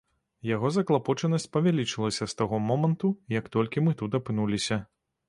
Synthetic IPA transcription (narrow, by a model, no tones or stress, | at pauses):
jaɣɔzɐklˠapɔt͡ʂɐnɐsʲt͡sʲpɐvʲalʲit͡ʂɨlˠɐsʲɐst̪aɣɔmɔmɐnt̪ujɐkt̪ɔlʲkʲimɨt̪ut̪ɐpɨnulʲisʲɐ